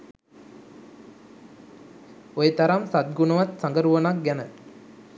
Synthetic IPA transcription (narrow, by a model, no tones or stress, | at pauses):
ojət̪ɐɾɐmsat̪̚ɡunɐʋɐt̪saŋɡəɾuʋɐnak̚ɡænə